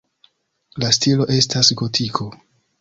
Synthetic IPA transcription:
lastilo̞ʔe̞stasɡo̞tʰikʰo̞

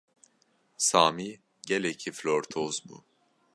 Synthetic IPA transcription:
saːmi | ɟelecʰiflʲoɾt̪ʰozbṵ

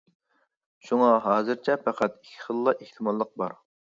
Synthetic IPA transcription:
ʃuŋɑɦɑːzɨɾt͡ʃʰɛpʰæqʰæt̪ikʲʰːi̥χəlˠːɑʔeht̪ʰɨmɑlˠːəq̚bɑɾ

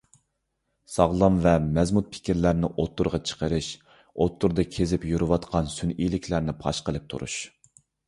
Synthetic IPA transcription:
sɑʁlˠɑmvɛmɛzmut̪̚pʰɪ̥kʲiɾlæɾnɪʔot̪ːuɾʁɑt͡ʃʰə̥qəɾɨʃ | ot̪ʰːuɾd̪ɑkʲʰezɪpjuɾɨwɑt̪qʰɑnsynilɪkʲʰlæɾnɪpʰɑ̰ʃqəlˠɨp̚t̪ʰṵɾʔṵʃ

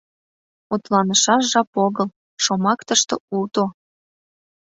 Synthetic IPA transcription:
ut̪lɑnəʃɑʃʒɑpoɣəl | ʃomɑkt̪əʃt̪o̰ult̪o

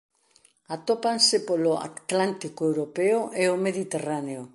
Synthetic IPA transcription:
at̪opansɪpoloa̰t̪lant̪ikoewɾopeoʔeomeðit̪eraneo

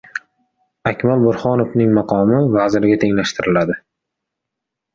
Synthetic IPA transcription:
akʲmalˠbʊɾχɒnofnɪŋmɑqʰɒmɪvazɪɾɡʲat̪ʰe̞ŋlaʃt̪ɪɾɪlad̪ɪ

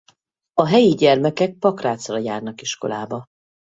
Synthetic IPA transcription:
ɒɦɛjiɟɛrmɛkɛk̚pɒkraːt̪srɒjaːrnɒkiʃko̞̰laːbɒ

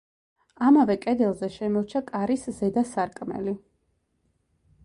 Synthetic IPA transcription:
amavɛkʼɛd̪ɛlˠzɛʃɛmɔɾt͡ʃʰakʼaɾiszɛd̪asaɾkʼmɛ̰li

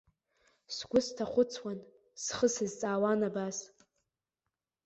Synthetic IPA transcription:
sɡʷʊstʰaχʷʊt͡sʰwan | sχəsɨzt͡sʼaːwanabaz

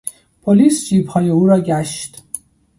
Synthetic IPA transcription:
pʰoliːsd͡ʒiːphɒːjɛuːɾɒːɡæʃt̪

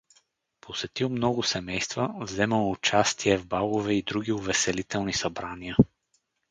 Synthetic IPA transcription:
pʰosɛt̪ilˠmnɔɡʊsɛmɛjst̪vəvzɛməlˠʊt͡ʃast̪ʰiɛvbalˠovɛid̪ɾuɡʲiʊvɛsɛlit̪ɛlˠnisɐbɾaniə

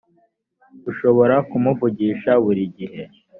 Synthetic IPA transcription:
uʃo̞βo̞ɾakumuvuɟiːʃaβuɾiɟihe̞

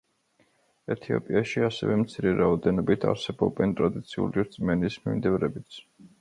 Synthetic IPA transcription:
ɛt̪ʰiɔ̰pʼiaʃiasɛ̰vɛmt̪sʰiɾɛɾaɔd̪ɛnɔbit̪ʰa̰ɾsɛbɔbɛnt̪ʼɾad̪it̪sʰiṵliɾt̪sʼmɛnismimd̪ivɾɛbit̪sʰ

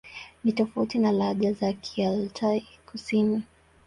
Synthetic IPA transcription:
nitɔfautinalaʄazakʰialtʰaikusini

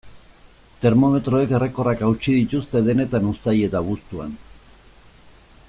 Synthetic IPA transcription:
t̪e̞ɾmo̞me̞t̪ɾo̞e̞ke̞re̞ko̞rakawt͡ʃið̞it̪ust̪e̞ðe̞ne̞t̪anust̪aje̞t̪aβust̪ua̰n

